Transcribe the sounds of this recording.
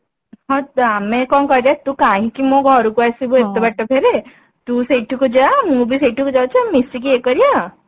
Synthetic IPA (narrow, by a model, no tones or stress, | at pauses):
ɦɔ̃t̪amẽkɔnkɔɾɾat̪ukaɦĩkimõɡʱɔɾukuasiboet̪ːɔbaʈːopʰeɾe | t̪useʈʰikud͡ʒamũbʱiseʈʰukud͡ʒawt͡ʃʰamisʈikiekɔɾija